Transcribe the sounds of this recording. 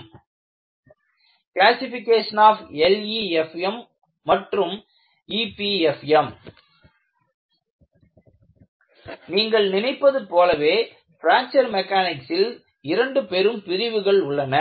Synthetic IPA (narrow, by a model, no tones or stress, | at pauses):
klaːsɪfɪkːeːʂɐnaːfɛliɛfɛmː | ɐʈrɯm | ipiɛfɛm | niːŋɡɐɭnɪnɐɪpːɐðɯpoːlɐʋeː | fɪɾaːnt͡ʃɐɾmɛkːaːnɪksɪl | ɪɾɐɳɖɯpɛɾɯmpɪɾɪʋɯɣɐɭʊɭːɐnɐ